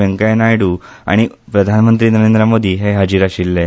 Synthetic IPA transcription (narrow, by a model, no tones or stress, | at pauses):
eŋkajnajɽuːa̰ɽ̃ipɾəd̪ʱanmənt̪ɾiːnəɾend̪ɾəmod̪ʱiːɦeɦəd͡ʑiɾaɕilːe